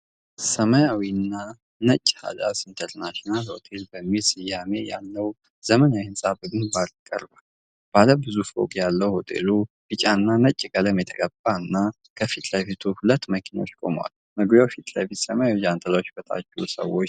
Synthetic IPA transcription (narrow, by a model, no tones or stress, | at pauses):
səməjawinːa | nət͡ʃʼːha̰d̪asint̪ʰəɾnaʃonalho̞̰t̪ʰe̞lbəmːilsɪjame̞jalːəw | z̥əmənawiɨnsʼabɨɡɨnbalkʼːə̰ɾbal | b̥aləbɨzufo̰kʼjalːəwho̞t̪ʰe̞̰lu | bɨt͡ʃʼanːanət͡ʃʼːkʼələmjɛt̪ʰəɡʼəb̥ːanːa | kʰəfit̪ʼləfit̪ʰuhulət̪ːməkʰinawot͡ʃːkʼo̞̰mwa̰l | məɡbawfit̪ʼlə̰fit̪səməjawid͡ʒant̪ʰəlaot͡ʃːbət̪ʰʼa̰t͡ʃːɛwsə̰wot͡ʃː